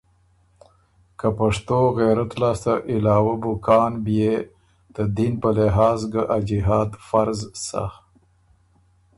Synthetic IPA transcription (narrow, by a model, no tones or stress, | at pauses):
kapaʂt̪oɣeɾat̪lɑːst̪aʔɪlɑːwabʊkʰɑːnbje | d̪̥əd̪inpəlɪɦɑːzɡaʔad͡ʒɪɦɑːd̪faɾzsa̰